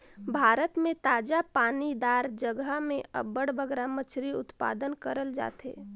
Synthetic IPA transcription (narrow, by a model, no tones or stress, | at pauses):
bʱaːɾət̪mẽt̪aːd͡ʒapaːnid̪aːɾd͡ʒəɡəmẽə̰bəɽbəɡɾamət͡ʃʰɾiʊ̰t̪pa̰ːd̪ənkəɾəld͡ʒa̰ːt̪ḛː